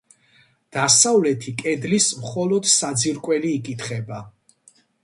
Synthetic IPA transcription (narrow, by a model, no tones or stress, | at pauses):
d̪̥asavlɛt̪ʰikʼɛd̪lismχɔlɔd̪sad̪ziɾkʼwɛliːkʼit̪ʰχɛba